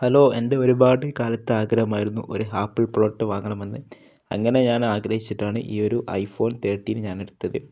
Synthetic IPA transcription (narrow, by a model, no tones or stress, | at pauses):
hɐlo̞ːe̞nde̞o̞ɾubaːɽɨkaːlɐt̪ːɨaːɡɾɐɦɐmaːjiɾunːṵʔo̞ɾuɦaːpːiɭpro̞ːʈːɨʋaːŋːɐɳɐmenːɨ | ɐ̰ŋːɐne̞ɲaːnaːɡɾɐhit͡ɕːiʈːaːɳɨʔḭːo̞ɾuʔɐ̰jfo̞ːnt̪e̞ːʈːijinɨɲaːne̞ɽut̪ːɐðɨ